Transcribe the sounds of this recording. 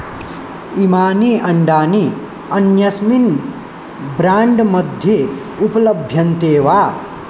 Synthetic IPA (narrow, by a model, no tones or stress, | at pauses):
imaːniʔɐɳɖaːni | ʌnjɐsmin | bɾaːɳɖmʌd̪ʱje | upɐlʌbʱjʌnt̪eːwa